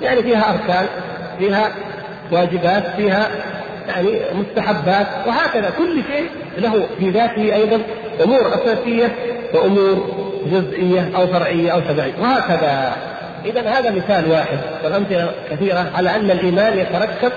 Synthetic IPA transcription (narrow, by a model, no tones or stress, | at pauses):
jaʕnifiːɦaʔɑɾˤkaːn | fiːɦa | waːd͡ʒɪbaːt̪fiːɦa | jaʕnimʊst̪aħabːaːt̪wɪɦaːkaðakʊlːʃeːʔ | laɦufiðaːt̪ɪhiʔɑjðˤɑn | ʔʊmuːɾʔasaːsɪjːawɪʔʊmuːɾd͡ʒʊzʔɪjːaʔawfɑɾˤʕɪjːaʔawʃɑbʕɪjːawɪhaːkaða | ʔɪðanhaːðamɪθaːlwaːħɪd̪̚wɪlʔamθɪlakaθiːɾaʕalaʔanːalʔiːmaːnjat̪aɾˤɑkːab